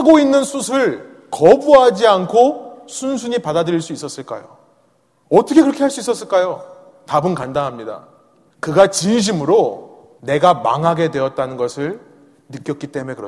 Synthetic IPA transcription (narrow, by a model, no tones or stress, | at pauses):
haɡoinːɯnsʰusʰɯɭ | kʌbuɦad͡ʑiankʰosʰunsʰuɲipadadɯɾiɭs͈uis͈ʌs͈ɯɭk͈a̰jo̰ | ʌt͈ʰʌkʰe̞kɯɾʌkʰe̞haɭs͈uis͈ʌs͈ɯɭk͈ajo | tabɯnkandaŋɦamɲida̰ | kɯɡat͡ɕinɕ̬ʰimɯɾo | ne̞ɡama̰ŋɦaɡe̞dwe̞ʌt̚t͈anɯnɡʌsʰɯɭ | nɯk͈jʌt̚k͈it͈e̞mue̞kɯɾʌ